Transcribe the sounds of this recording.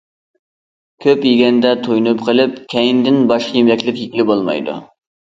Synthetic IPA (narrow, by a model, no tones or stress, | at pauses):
kʲʰøpjeɡʲɛnd̪ɛt̪ʰojnɨpqʰəlˠɪp̚kʲʰɛjind̪ɪnbɑʃqʰɑjemlɛkʲlɪkʲjikʲilɪbolˠmɑ̰jd̪ṵ